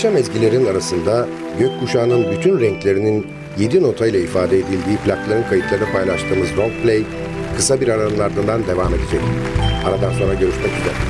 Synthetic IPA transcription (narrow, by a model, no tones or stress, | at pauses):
ʃamɛzɟilʲe̞ɾinaɾasɯnd̪a | ɟøc̚buʃaːnɯnbyt̪ʰynɾɛɲclʲe̞ɾinin | je̞d̪ino̞t̪ʰajlˠaifaːd̪ɛed̪ilʲd̪iːplʲaklˠaɾɯnkʰajɯt̪lˠaɾɯnapajlˠaʃt̪ʰɯːmɯzɾoŋk̚plʲej | kʰɯsabiɾaɾaɯnlˠaɾd̪ɯnd̪and̪e̞vaːme̞d̪ed͡ʒɛc̚i | aɾad̪anso̞nɾaɟø̞ɾyʃmɛcid̪ɛ